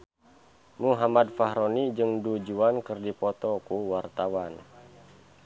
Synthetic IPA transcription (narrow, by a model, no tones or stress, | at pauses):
muɦamad̪̚faɦɾonid͡ʒɨŋdud͡ʒuankɨrdipɔt̪ɔkuwart̪awan